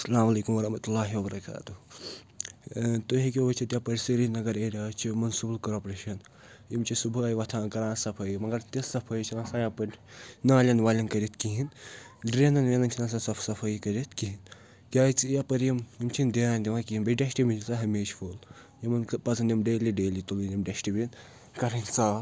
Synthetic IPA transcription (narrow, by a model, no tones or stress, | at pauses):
sɐlaːmɐleːkumwɐɾɐhmɐt̪ulːaːɦiwɐbɐɾɐka̰ːt̪u | t̪oɦek̬ʲoʋɐt͡ʃʰit̪ʲjapɐɾʲsiɾinɐɡɐɾeːɾaːt͡ʃʰimɐnsuːblkɐɾoːpɾeːʃɐn | jimt͡ʃʰisubʱɐjiʋɐt̪ʰãːnɡɐɾãːsɐpʰɐjmɐŋɡɐɾt̪isɐpʰɐjt͡ʃʰinaːsaːjapɐɾʲnaːlʲɐnʋaːlʲɐnkɐɾʲit̪ʰkiɦinɖɾenɐnʋʲenɐnt͡ʃʰinasasɐpʰsɐpʰɐjikɐɾit̪kiɦin | kʲaːt͡sjapɐɾjimjimt͡ʃʰind̪iaːnd̪iʋakiinbɐɖɐʃʈimint͡saːɦɐmeːʃfʰol | jimɐnpɐzʰɐnʲimɖeːliɖeːlit̪ulinʲimɖɐʃʈibin | kɐɾɐnʲsaː